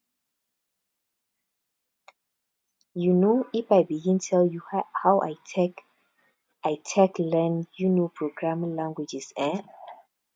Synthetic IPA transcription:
junoifajbiɡĩntʰɛljuhawʔa̰jʰɛk | ajtʰɛklɛ̃njunopʰɹoɡɹãmlãŋɡwid͡ʒisɛ̃

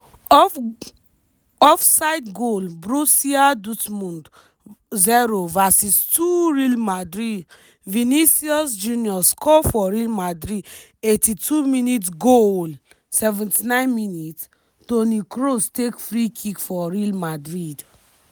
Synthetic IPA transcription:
ɔfsaɪdɡolbɹusiadutmũnd | zɛɹovasistuɹilmadɹid | vinisiɔsd͡ʒũniɔskʰɔfɔɹilmadɹid | etitʰuminitɡol | sɛvɛ̃ntinãɪ̃nminit | tonikɾostekfɹikʰikfɔɹilmadɹid

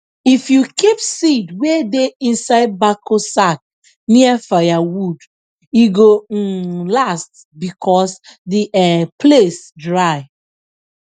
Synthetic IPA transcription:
ifjukipsidwedeĩnsaɪd̚bakosak̚ | niafajawud | iɡolast | bikʰɔsdiɛpʰlesdɹaɪ

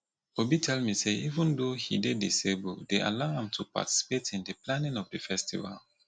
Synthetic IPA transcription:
obitʰɛlmiseʔivə̃ndohḭdedḭsebṵldeʔa̰laʊãmtʰupa̰ti̥si̥petĩndɨplanĩnɔfdɨfɛstḭva̰l

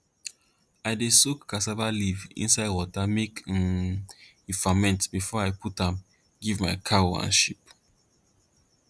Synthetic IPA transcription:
aɪdesukːasavalivḭ̃nsaɪdwɔtamek | ifamɛ̃ntbifɔaɪpʰutãm | ɡivmaɪkʰawã̰nʃip̚

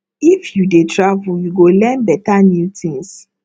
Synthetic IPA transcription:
ifjudetʰɹavujuɡolɛ̃nbɛtanutĩŋs

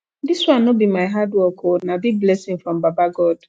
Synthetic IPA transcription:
diswãnobimaɪɦadwɔkʰonabiɡ̚blɛsɪ̃ŋfɾɔ̃mbabaɡɔd̥

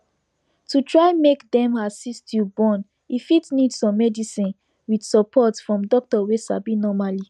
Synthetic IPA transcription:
tutɹaɪmekdɛ̃masistjubɔ̃n | ifitnidsɔ̃mːɛdisĩn | widsɔpʰɔtfɹɔ̃mdɔk̚tɔwesa̰binɔmali

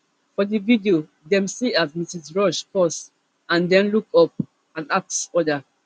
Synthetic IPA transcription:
fɔdividio | dɛ̃msiat̚misisɹɔʃpɔs | ãndɛ̃nlukɔp̚ | ãnak̚sɔda

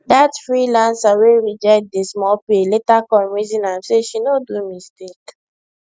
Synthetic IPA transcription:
datfɹilãnsaweɹid͡ʒat̚desmɔpeletakɔlɹizĩnamseʃinodumistek

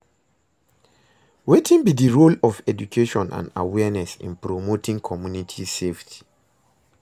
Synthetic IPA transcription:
wetʰĩnbidiɹolɔvɛd͡ʒukʰeʃɔ̃nã̰nda̰wɛnɛsḭ̃npɹomotʰĩŋkʰɔmjunitʰiseftʰi̥

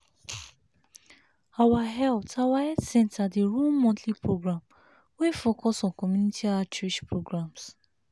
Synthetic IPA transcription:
awaɦɛltawaɛdsɛ̃ntʰadeɹulmɔ̃tʰlipɹoɡɹãm | wefokɔsɔ̃nkɔmjunitiat͡ʃɹeʃpɹoɡɹãms

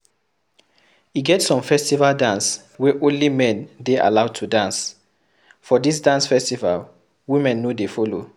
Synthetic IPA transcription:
iɡɛtsɔ̃mfɛstivaldãns | wɛʔõnlimɛ̃ndeʔa̰laʊtʰudãns | fɔdis̬dãnsfɛstiva̰l | wimɛ̃nːodefɔlo

